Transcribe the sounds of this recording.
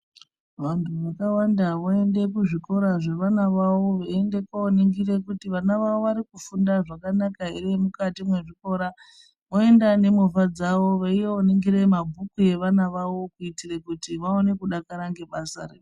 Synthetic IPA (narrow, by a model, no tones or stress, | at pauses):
ʋantʰuʋakawandaʋoe̞nde̞kuʐiko̞ɾaʐe̞ʋanaʋawo̞ʋaende̞kaoniŋɡire̞kutiʋanaʋaʋoʋaɾikufundaʐakanakaɦeriemukatimwe̞ʐiko̞ɾa | moe̞ndane̞mufad͡zaʋo̞ʋaieoniŋɡire̞mabʱukuje̞ʋanaʋaʋo̞kuitirekutiʋaone̞kuɗakaɾaŋɡe̞ɓasa̰rḛ